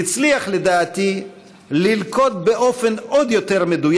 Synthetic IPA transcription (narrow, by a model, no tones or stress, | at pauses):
it͡sliaχled̪aːt̪i | lilko̞d̪̚be̞ʔo̞fe̞no̞d̪jo̞t̪e̞ʁmed̪uj